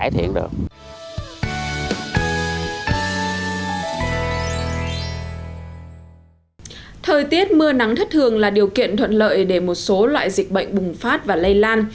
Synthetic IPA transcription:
jt̪ʰḭ˧˩ənɗɨ̰˨˩ək̚ | t̪ʰəː˨˩jt̪i˦˥ət̚mɨ˧əna˨˦ŋt̪ʰə˦˥t̚t̪ʰɨ˨˩əŋlaː˨˩ɗi˨˩əwkḭ˧˨ənt̪ʰwə̰˧˨nlə̰ː˧˨jɗe˧˩mo˨˩t̚so˨˦lwa̰ː˧˨jzï˨˩k̟̚ɓə̰˧˨jŋ̟ɓʊ˨˩ŋ͡mfaː˦˥t̚vaː˨˩lə˧jlaː˧n

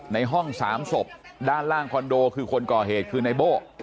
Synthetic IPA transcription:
na˧jɦɔ˥˩ŋsa̰ː˩˦mso˨˩p̚daː˥˩nlaː˥˩ŋkʰɔ˧ndoː˧kʰɯː˧kʰo˧nkɔː˨˩ɦeː˨˩t̪̚kʰɯː˧na˧jboː˥˩

